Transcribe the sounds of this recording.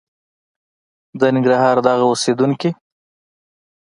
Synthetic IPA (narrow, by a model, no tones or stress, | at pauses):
d̪ənɪŋɡɾɑɦɑɾd̪ɑɣaosed̪uŋki